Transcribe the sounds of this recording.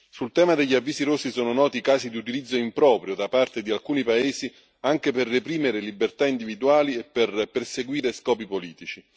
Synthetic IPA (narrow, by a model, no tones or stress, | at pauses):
sult̪ɛːmad̪eʎːiavːiːziɾosːisɔːnonɔːt̪ikaːzid̪iut̪ilid̪zːoimpɾɔːpɾjod̪apart̪ed̪ialkuːnipaeːzi | aŋk̟eperːepɾiːmeɾelibert̪aind̪ivid̪uaːliepːerperseɡwiːɾeskɔːpipoliːt̪it͡ʃi